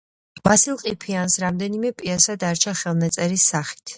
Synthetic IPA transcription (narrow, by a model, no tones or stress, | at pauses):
b̥asilˠqʼipʰiansɾamd̪ɛnimɛpʼiasad̪aɾt͡ʃʰaχɛlˠnat̪sʼɛɾisːaχi̥t̪ʰ